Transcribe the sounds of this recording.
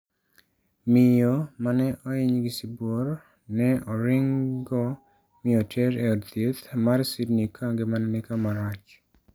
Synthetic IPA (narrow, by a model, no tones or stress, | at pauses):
mɪjomanɛʔɔɪɲɡɪsiboɾ | nɛɔɾɪŋɡɔ | mɪotʰeɾeɔdt̪et̪marsidnikʰaŋɡemanɛnɪkamaɾat͡ʃ